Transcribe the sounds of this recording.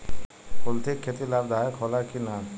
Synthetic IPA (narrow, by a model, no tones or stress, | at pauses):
kolt̪ʰikʰːet̪ilab̚d̪aekʰɔlakina